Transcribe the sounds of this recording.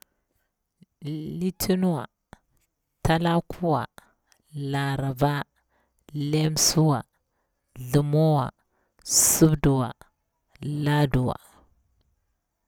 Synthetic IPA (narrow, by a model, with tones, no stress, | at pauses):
li˦tʰi˦nu˦wa̰˨ | ta˦la˦kʰu˦wa˨ | la˨ɾa˨va˦ | le˦m˦su˦wa˨ | ɮu˨mo˦wa̰˨ | su˦bdu˨wa̰˨ | la˦du˨wa̰˨